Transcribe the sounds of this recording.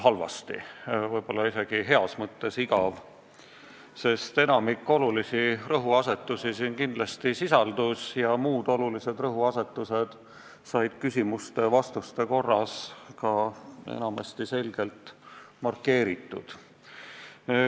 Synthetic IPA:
ɦɑlvɑ̰st̪ḭvɤjb̥o̞lːɑise̞ɡ̥iɦe̞ɑsmɤt̪ːe̞siɡɑv | se̞st̪e̞nɑmikːˑo̞lulisirɤɦuɑse̞t̪ːˑusisinkind̪̥lɑst̪isisɑld̪usjɑmuːd̪o̞lulise̞d̪rɤɦuɑse̞t̪ːˑuse̞d̪̥ | sɑjd̪̥kysʲimust̪e̞vɑst̪ust̪e̞ko̞rːɑskɑḛnɑmɑst̪ise̞lɡ̥e̞lt̪mɑrkːe̞ːɾit̪ːˑṵd̪̥

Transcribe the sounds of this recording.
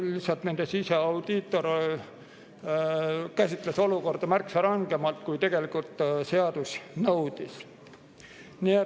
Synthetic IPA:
lisɑlt̪nend̪̥esise̞ɑwd̪̥it̪ːˑo̞ɾ | kæsʲit̪ˑle̞so̞luko̞rd̪ɑmærksɑɾɑŋɡ̥emɑlt̪̚kujt̪e̞ɡ̥e̞likult̪se̞ɑd̪̥usnɤwd̪̥is | nie

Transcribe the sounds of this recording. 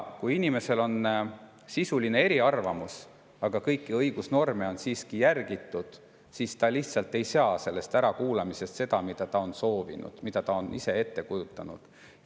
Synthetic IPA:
kujinime̞se̞lo̞n | sisuline̞e̞ɾiɑrvɑmus | ɑɡ̥ɑkɤjkːiɤjɡ̥usno̞rmeo̞nsiːskijærɡ̥it̪ˑːud̪̥ | sist̪ɑliçt̪sɑlt̪ːe̞jsɑse̞lːe̞st̪æɾɑkuːlɑmise̞st̪se̞d̪ɑmid̪̥ɑt̪ɑo̞nso̞ːvḭnṵd̪̥mid̪ɑt̪ɑonʔise̞e̞t̪ːe̞kujut̪ːˑɑnṵd̪̥

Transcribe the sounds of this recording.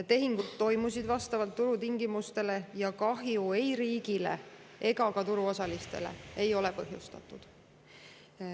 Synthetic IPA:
t̪e̞ɦiŋɡ̥ud̪ːo̞jmusid̪vɑst̪ɑvɑlt̪ːuɾut̪iŋɡimust̪e̞le̞jɑkɑɦjuejɾiːɡ̥ile̞̰ | e̞ɡɑkɑt̪uɾuo̞sɑlist̪e̞̰le̞̰e̞jo̞le̞pɤ̞ɦjust̪ɑ̰t̪ːˑud̪̥

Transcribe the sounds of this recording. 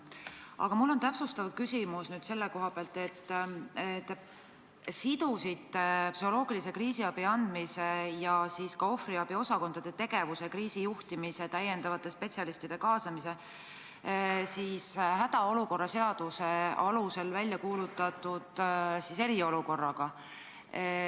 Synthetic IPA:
ɑ̰ɡ̥ɑmulːo̞nt̪æpsust̪ɑvkysimusnyːd̪̥se̞lːeko̞ɦɑb̥eɑlt̪ˑe̞t̪ːet̪ː | sid̪̥usit̪ːpsyho̞lo̞ːɡ̥ilis̬e̞kriːsiɑb̥iɑnd̪̥misejɑsiːskɑo̞friɑb̥io̞sɑko̞nd̪̥ɑd̪̥e̞t̪e̞ɡ̥e̞vuse̞kriːsijuht̪imise̞t̪æjːe̞nd̪ɑvɑt̪ːˑe̞spe̞t̪sʲɑlist̪id̪̥e̞kɑːsɑmise̞ | siːshæd̪̥ɑo̞luko̞rːɑse̞ɑd̪̥use̞ɑluse̞lvælʲjɑkuːlut̪ːˑɑt̪ːˑud̪̥sise̞ɾio̞luko̞rːɑɡ̥ɑ

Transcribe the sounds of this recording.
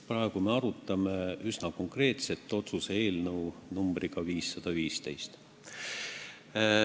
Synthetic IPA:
prɑe̞ɡ̥ume̞ɑɾut̪ːˑɑme̞ysnɑko̞ŋkre̞ːt̪se̞t̪ːˑo̞t̪suse̞eːlnɤwnumbriɡ̥ɑviːsːɑd̪̥ɑviːst̪e̞jst̪

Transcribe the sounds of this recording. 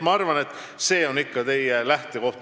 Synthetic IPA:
mɑɑrvɑne̞t̪ː | se̞ːo̞nikːɑt̪e̞jelæht̪e̞ko̞ht̪

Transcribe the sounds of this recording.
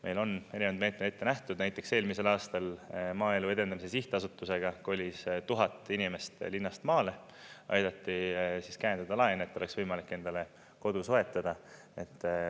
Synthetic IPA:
mʔe̞jlo̞ne̞ɾinnd̪me̞ːt̪met̪et̪ːæht̪ud̪̥næjt̪ːˑe̞kse̞ːlmise̞lɑːst̪ɑlmɑːe̞lue̞d̪e̞nd̪ɑmise̞siht̪ɑsut̪ːˑuse̞ɡ̥ɑko̞lʲːist̪uɦɑt̪ˑːinime̞st̪linːɑst̪mɑːle̞ | ʔɑ̰jd̪ɑt̪ːisiskæjend̪ɑd̪ɑlɑjenet̪ːˑo̞le̞ksvɤjmɑlikːˑe̞nd̪̥ɑle̞ | ko̞d̪̥usoe̞t̪ˑːɑd̪̥ɑ | et̪ː

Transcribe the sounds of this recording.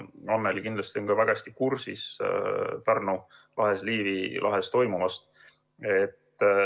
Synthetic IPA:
ɑnːelikind̪lɑst̪io̞nɡ̥ɑvæɡ̥ɑst̪ikursis | pærnu | lʔɑɦe̞sliːvilʔɑ̰ɦe̞st̪o̞jmumɑst̪ | et̪ː

